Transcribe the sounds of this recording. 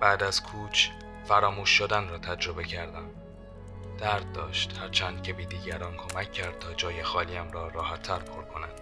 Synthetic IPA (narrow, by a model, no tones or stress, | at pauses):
b̥æːd̪æz̥kʰuːt͡ʃʰ | fæɾɒːmuːʃːod̪ænrɒːt̪ʰæd͡ʒɾo̞be̞cʰæɾd̪æn | d̪̥æɾd̪̚ːɒːʃt̪hæɾt͡ʃʰænd̪̚cʲʰe̞biːd̪iːɟæɾɒːnkʰo̞mæcʰːæɾd̪̥̚t̪ʰɒːd͡ʒɒːje̞xɒːliːæmɾɒːɾɒːɦæt̪ʰːæɾpʰo̞ɾkʰo̞nænd̪̥